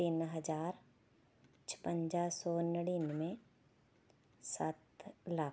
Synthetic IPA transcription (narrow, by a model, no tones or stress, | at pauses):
t̪ɪnɦəd͡ʒaːɾ | t͡ʃʰpə̃ɲd͡ʒasɔːnɽinmẽ | saːt̪laːk